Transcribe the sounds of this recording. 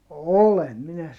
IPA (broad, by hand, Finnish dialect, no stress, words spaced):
olem minæ